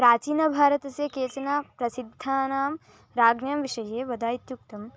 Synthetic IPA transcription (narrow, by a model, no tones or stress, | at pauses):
pɾaːt͡ʃiːnɐbʱaːɾɐt̪ɐseːkeːt͡ʃɐnaːpɾɐsid̪ʱːaːnaːm | ɾaːɡɳjɐmʋiʂɐjeːʋɐd̪aːjit̪jukt̪ɐm